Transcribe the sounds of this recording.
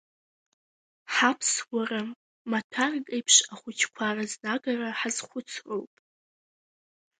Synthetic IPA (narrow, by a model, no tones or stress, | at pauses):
ħapʰswʷaram | matʷʰarkʼejpʰʂaχʷʊt͡ʃʰkʷʰaraznaɡaraħazχʷʊt͡sʰrowpʼ